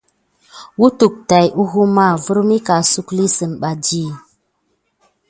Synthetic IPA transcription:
wu˦tu˨k̚ta˨jʔu˦ɦu˦ma˦˨vu˦ɾmi˦ka˨su˦kli˦sɨ˨nɓa˨d͡ʒi˦˨

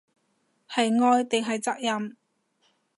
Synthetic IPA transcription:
hɐ˨jŋɔː˧jt̪ɪ˨ŋɦɐ˨jt͡sɐ˥k̚jɐ˨m

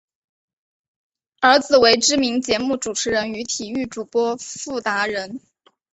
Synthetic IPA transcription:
ə˞˧˥t͡sɹ̩˨˩we˧˥ɪʈ͡ʂɻ̩˥mi˧˥ŋt͡ɕjɛ˧˥mu˥˩ʈ͡ʂu˨˩ʈ͡ʂʰɻ̩˧˥ɻə˧˥ny˧˥t̪ʰi˨˩y˥˩ʈ͡ʂu˨˩pwɔ˥fu˥˩t̪a˧˥ɻə˧˥n

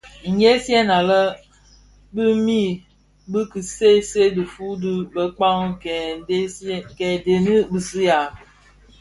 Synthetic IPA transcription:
ŋ̩˨je˦sjɛ˦na˨lə˦ | bɨ˦mi˦ | bɨ˦kɨ˨se˦se˦dɨ˨fu˦dɨ˦bə˦k͡pa˦ŋ˦˨˦ | kɛ˨de˨nɨ˦bɨ˨si˦ja˨

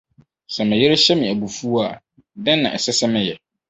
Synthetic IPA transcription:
sɛ˨mɪ̃˨jɪ˦ɾe˦ɕɛ˦mĩ˨æ˨bu˨fu˦a˨ | dɛ̃˦nːã̰˨ʔɛ˨sɛ˦sɛ˦mɪ̃˨jɛ˨

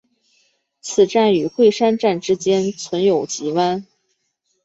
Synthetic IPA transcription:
t͡sʰɹ̩˨˩ʈ͡ʂa˥˩ny˨˩xwe˥˧ɪʂa˥nʈ͡ʂa˥˩nʈ͡ʂɻ̩˥t͡ɕjɛ˥nt͡sʰwə˧˥njo˨˩ʊt͡ɕi˧˥wa˥n

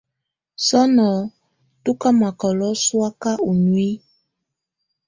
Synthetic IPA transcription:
sɔ˦nɔ˨ | tu˦ka˦ma˨kɔ˨lɔ˦swa˦ka˦u˨nu˨i˦

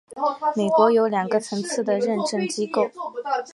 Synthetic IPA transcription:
me˨˩ɪkwɔ˧˥jo˧˥ʊljɑ˨˩ŋɡə˧˦t͡sʰɤ˧˥ŋt͡sʰɹ̩˥˩d̪ə˩ɻə˥˧nʈ͡ʂə˥˩ŋt͡ɕi˥ko˥˩ʊ

